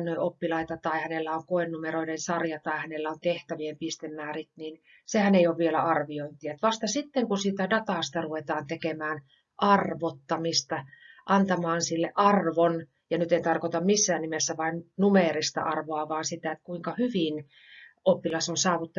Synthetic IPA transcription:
nnoiopːilɑit̪ɑt̪ɑihænelːæoŋkoenːumeroidensɑrjɑt̪ɑihænelːæont̪eht̪æʋiempist̪emːæːrit̪nin | sehæneioʋʋielæɑrʋioint̪iɑt̪ʋɑst̪ɑsit̪ːeŋkusiːt̪ædɑt̪ɑːˑst̪ɑruʋet̪ɑːnt̪ekemæːn | ʔɑrʋot̪ːɑmist̪ɑʔɑnt̪ɑmɑːnsilːeʔɑrʋon | jɑnyt̪ent̪ɑrkot̪ɑmmisːæːnnimesːæʋɑinnumeˑrist̪ɑ̰ʔɑrʋoɑʋɑːnsit̪æet̪kuiŋkɑhyʋin | opːilɑsonsɑːʋut̪ːɑ

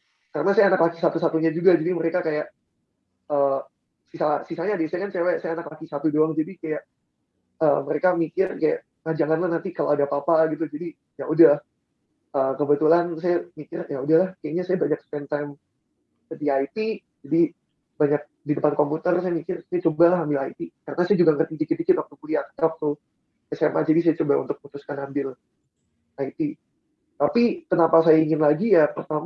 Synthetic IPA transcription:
kaɾənasajanaklakisat̪usat̪uɲad͡ʒuɡad͡ʒadiməɾekakajaʔ | əː | sisasisaɲadisajakansajawɛsajaanaklakisat̪udoaŋd͡ʒadikajaʔ | əməɾekamikɪrkaja̰ʔ | ŋad͡ʒaŋanlahnant̪ikaloadapapaɡit̪ud͡ʒadi | jaudah | əːkəbət̪ulans̬ajamikɪrjaudahlahkajaʔɲasajabaɲakspɛnt̪ajm | sədiajt̪i | d͡ʒadi | baɲak̚didəpankomput̪ərsajamikɪrsajat͡ʃobalaɦambɪlait̪ikaɾənasajad͡ʒuɡaŋərt̪idikid̪ikɪt̪wak̚t̪ukuliak̚t̪ɾɔk̚t̪ʊ | kəsema̰d͡ʒadis̬ajat͡ʃobaunt̪ʊk̚put̪ʊskanambɪl | ait̪i | t̪apikənapasajaiŋɪnlaɡijapərt̪am

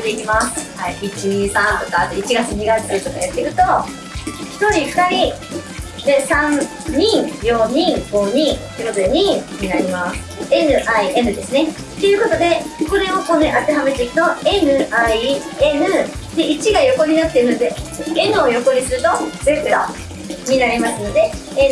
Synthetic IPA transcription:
d̪e̞kʲimasɨ̥haiit͡ɕiɲ̟iːsãnt̪okat̪eit͡ɕiɡat͡sɨɲ̟iɡat͡sɨɯɾɯ̟t̪o̞kajat̪ːeikɯ̟t̪o̞ | çi̥t̪o̞ɾʲiɸɯ̥t̪aɾʲi | d̪e̞sãn | ɲĩŋjoɲ̟ĩɡo̞ɲ̟ĩt̪oɯ̟ko̞t̪od̪e̞ɲ̟ĩɲ̟inaɾʲimasɨ̥e̞nɯ̟ʔaiʔe̞nɯ̟d̪e̞sɨne̞ | t̪ːe̞jɯ̟ːko̞t̪o̞d̪e̞ko̞ɾe̞okonʔat̪e̞ɦame̞t̪eikɯ̥t̪o̞e̞nɯ̟ai | e̞nɯ̟d̪̥e̞ʔit͡ɕiɡajo̞ko̞ɲ̟inat̪ːe̞ɯ̟no̞d̪e̞e̞nɯ̟o̞jo̞ko̞ɲisɨɾɯ̟t̪o̞bekɯ̟ɾa | ɲinaɾʲimasɨno̞d̪e̞e

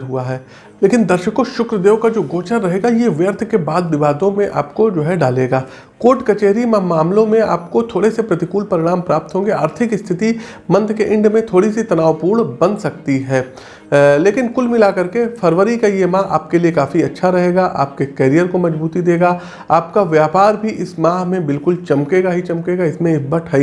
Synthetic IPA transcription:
ɦuaɦɛː | leːkɪ̃nd̪ɐɾʃəkõʃʊkɾəd̪eːʋkad͡ʒoːɡoːt͡ʃənɾɐɦeːɡajeʋjəɾt̪ʰkebaːd̪ʋɪʋaːd̪õmẽʔa̰ːpkod͡ʒoːɦɛɖaːleːɡaː | koːɾʈkɐt͡ʃeːɦɾimamaːmlõmẽa̰ːpkot̪ʰoːɽesepɾɐt̪ɪkuːlpɐɾɪɽ̃aːmpɾaːp̚t̪ɦõːɡeaːɾt̪ʰɪkɪst̪ʰɪt̪i | mɐ̃nt̪ʰkeʔɪ̃ɳɖmẽt̪ʰoːɽisit̪ɐnaːʋpuːɾɽbɐ̃nd̪sɐk̚t̪iɦɛː | leːkɪnkʊlmɪlakɐɾkefʰɐɾʋəɾikajemãːɦa̰ːp̚keliekaːfiɐtːʃʰaɾɐɦeːɡaʔa̰ːp̚kekɛːɾijəɾkomɐd͡ʒbuːt̪id̪eːɡaː | aːpkaʋjaːpaːɾbʱiʔɪsmãːɦmẽbɪlkʊlt͡ʃɐmkeːɡaɦit͡ʃɐmkeːɡaɪsmẽɪbɐʈʰai

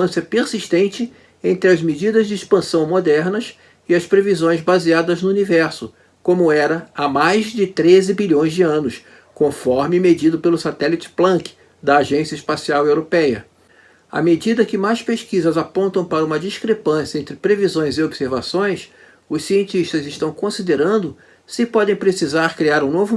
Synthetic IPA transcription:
ɐ̃sɐpeɾsiʃt̪ẽnt͡ʃɪ | ẽnt̪ɾɪɐzmed͡ʒid̪ɐzd͡ʒɪiʃpɐ̃sɐ̃w̃mod̪ɛɾnɐs | ɪɐspɾevizõj̃zbaziad̪ɐznʊunivɛɾsʊ | kõmʊɛɾɐamajzd͡ʒɪt̪ɾezɪbiʎõj̃zd͡ʒɪɐ̃nʊs | kõfɔɾmɪmed͡ʒid̪ʊpelʊsat̪ɛlit͡ʃɪ̥plɐ̃kɪ̥ | d̪ɐːʒẽsiɐiʃpasiawewɾopɛjɐ̰ | a̰med͡ʒid̪ɐkɪmajʃspeʃkizɐzapõnt̪ɐ̃w̃paɾɐũmɐd͡ʒiʃkɾepɐ̃sjɐẽnt̪ɾɪpɾevizõj̃zɪobseɾvasõj̃s | ʊssiẽnt͡ʃiʃt̪ɐzɪʃt̪ɐ̃w̃kõsid̪eɾɐ̃nd̪ʊ | sɪpɔd̪ẽj̃pɾesizaɾkɾiaɾũnovʊ

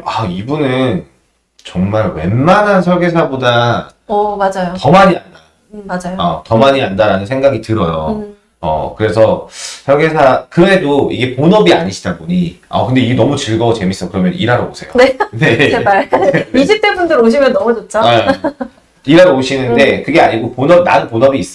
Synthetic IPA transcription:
aibunɯn | t͡ɕʌŋmaɭwe̞̰nmanansʰʌɭɡesʰabodaʌmad͡ʑajotʌmaɲia̰nda | mad͡ʑajoʌtʌmaɲiandaɾanɯnsʰe̞ŋɡaɡitɯɾʌjo̰ | ʌ̰kɯɾe̞sʰʌsʰʌɭɡe̞sʰakɯe̞doḭɡe̞ponʌbiaɲiɕʰidaboɲiʌ̰kɯnde̞iɡenʌmut͡ɕɯɭɡʌot͡ɕe̞mis͈ʌkɯɾʌmjʌniɾaɾoosʰe̞̰jo̰nene̞eak͈aiiɕip̚t͈ebundɯɾoɕ̬ʰimjʌnːʌmut͡ɕot̚t͡ɕ͈ʰo | iɾaɾooɕʰinɯnde̞kɯɡe̞aɲiɡoponʌb̚naɯnponʌbiːs͈

